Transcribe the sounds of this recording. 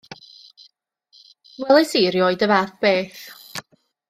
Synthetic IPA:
wɛlˠɛsiɾjɔɨdəvaðb̥eːθ

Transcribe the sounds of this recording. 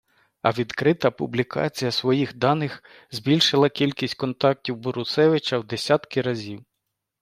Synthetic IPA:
ɐ̰ʋʲid̪kɾɪt̪ɐpʊblʲikʰɑ̰t͡sʲijɐsʋɔjixd̪ɑnɪx | zʲbʲilʲʃɪlˠɐkʲilʲkʲisʲtʲkɔnt̪ɑk̚tʲiwbɔɾʊsɛʋɪt͡ʃɐwd̪esʲat̪kɪɾɐzʲiw

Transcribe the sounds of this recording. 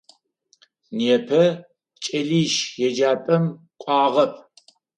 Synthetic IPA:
neːpʰɐ | t͡ʃʼɐliːʃjɛd͡ʒaːpʼɐm | kʷʼɑːʁɐpʰ

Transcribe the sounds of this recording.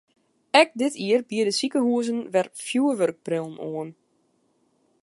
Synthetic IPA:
ɛk̚dɪtʰiərbiədəsikəhuəzənʋɛrfjuəʋørk̚prɪlˠnʔoən

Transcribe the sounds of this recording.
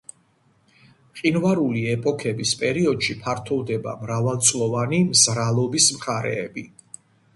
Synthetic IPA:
χʼinvaɾuliɛpʼɔkʰɛbispʼɛɾiɔd̪̥ʃipʰaɾt̪ʰɔvd̪ɛba̰mɾavalˠt̪sʼlˠɔvanimzɾalˠɔbismχaɾɛ̰ːbi

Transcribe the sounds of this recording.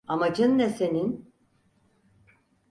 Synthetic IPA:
amad͡ʒɯnːɛsenin

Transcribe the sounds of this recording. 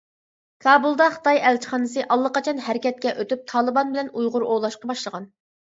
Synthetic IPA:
kʰɑːbulˠd̪ɑχə̥t̪ʰɑjɛlt͡ʃʰi̥χɑːnɨsɨʔɑlˠːəqɑt͡ʃʰɑnhæɾɪkʲɛt̪̚kʲɛʔøt̪yp̚t̪ʰɑːlˠɨbɑnbɪlɛnujʁʊɾolˠɑʃqɑbɑʃlˠəʁɑn

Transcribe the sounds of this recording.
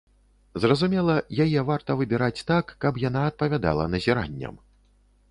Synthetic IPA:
zrɐzumʲɛlˠɐjajɛvart̪ɐvɨbʲiɾat͡sʲt̪akːɐpjan̪aɐt̪̚pɐvʲad̪a̰lˠɐ̰nɐzʲiɾa̰nʲːɐ̰m

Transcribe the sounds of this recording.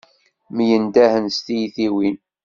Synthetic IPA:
mjənd̪æhənst̪ijθiwin

